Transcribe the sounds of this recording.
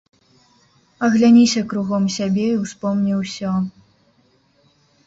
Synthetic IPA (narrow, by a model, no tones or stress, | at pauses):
ɐɣlʲanʲisʲɐkɾuɣɔmsʲabʲɛiwspɔmnʲiwsʲɔ